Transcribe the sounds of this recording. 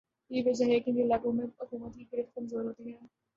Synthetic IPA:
jeʋɐd͡ʒaɦɛkɪ̃nelaːɡõmẽʊkuːmət̪kikɪɾət̪kɐmzoːɾɦoːt̪iɦɛ̃ː

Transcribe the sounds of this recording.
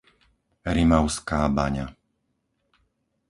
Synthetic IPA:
ɾimaʊskaːba̰ɲa̰

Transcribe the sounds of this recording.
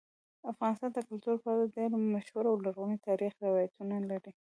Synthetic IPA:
afɣɑnɪst̪ɑnd̪əkʊlt̪uɾpəaladeɾmaʃwʊɾawlaɾɣumit̪ɑɾixɾɪwɑjat̪unalaɾi

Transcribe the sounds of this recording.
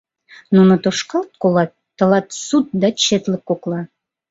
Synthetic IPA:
nunot̪oʃkɑlt̪̚kolɑt̪ːə̆lɑt̪sut̪̚d̪ɑt͡ɕet̪ləp̚kːoklɑ

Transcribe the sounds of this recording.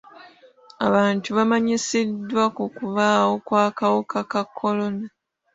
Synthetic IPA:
a̰βaːntuβamaɲisidːwakukuβaːwo̞kwaːkawokakakʰːo̞lo̞na

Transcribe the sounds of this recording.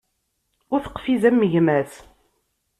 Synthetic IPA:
ʊɾθə̥qːfiðæmːəʝmæθ

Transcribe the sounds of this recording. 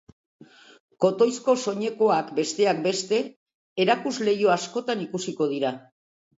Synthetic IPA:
ko̞t̪o̞jsko̞so̞ɲe̞ko̞akbe̞st̪e̞ak̚be̞st̪e̞ | eɾakuzle̞jo̞asko̞t̪anikusiko̞ð̞iɾa

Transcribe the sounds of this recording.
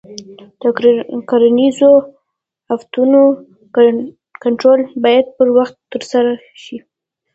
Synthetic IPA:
d̪̥əkaɾanizo | haft̪uno | kaɳʈɾolbɑjad̪̚pəɾwaxt̪ːəɾsaɾa | ʃi

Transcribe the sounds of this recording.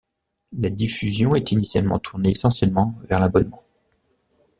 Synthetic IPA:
lad̪ifyzjɔ̃ɛt̪inisjalmɑ̰̃t̪ʰuʁneesɑ̃sjɛlmɑ̃vɛʁlabɔnmɑ̃

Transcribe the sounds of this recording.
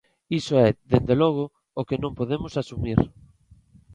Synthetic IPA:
isoɛðend̪elɔɣ̞o | okenõmpoðemosasumiɾ

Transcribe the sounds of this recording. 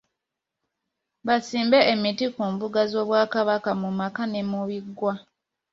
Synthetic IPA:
βasiːmbeʔemitikuːmbuɡazo̞ːβwaːkaβakamumakanemuβiɡːwa

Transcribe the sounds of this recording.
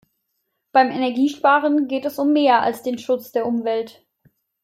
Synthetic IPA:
b̥aɪmɛnɛɐɡiːʃpaːʁ̞ənɡeːtɛsʊmːeːɐa̰lsd̥eːnʃʊt͡sd̥eːɐʔʊmvɛlt

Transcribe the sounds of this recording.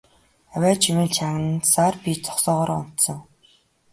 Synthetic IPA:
æwʲæːt͡ɕʰimiːnt͡ɕʰaʁə̆nsarpʲit͡sʰɔ̥χsɔːʁɔːɾʊ̰n̥t̪sɞ̆ŋ

